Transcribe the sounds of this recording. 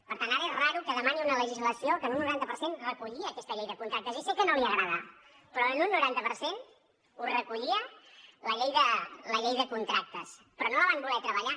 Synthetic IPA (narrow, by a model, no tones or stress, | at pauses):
pəɾt̪anaɾəezraɾukəðəmaniunələʒizləsiokənunːuɾant̪əpəɾsenrəkuʎiəːkɛst̪əʎejðəkunt̪ɾak̚t̪əzisikənoliəɣɾəð̞a | pɾɔənunːuɾant̪əpəɾsen | urəkuʎiələʎejðələʎejðəkunt̪ɾak̚t̪əs | pɾɔnoləβambulɛt̪ɾəβəʎa